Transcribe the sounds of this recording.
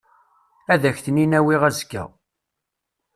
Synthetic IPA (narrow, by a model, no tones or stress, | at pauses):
æðæçθəninæwiʁæzkːæ̰